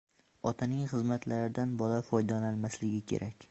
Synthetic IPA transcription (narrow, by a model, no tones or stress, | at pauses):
ɒt̪ʰanɪŋχɨzmat̪ʰlaɾɪd̪anbɒlafɒjd̪ɒnalmaslɪɡʲɪkʲʰe̞̰ɾʔakʲ